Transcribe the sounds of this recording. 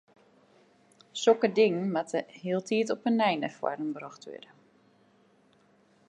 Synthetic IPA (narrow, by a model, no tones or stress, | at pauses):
sokədɪŋnmatəhiəlˠtʰiːtɔpənːɛjnəfwɔ̰ɾənbrɔxtʰʋø̰də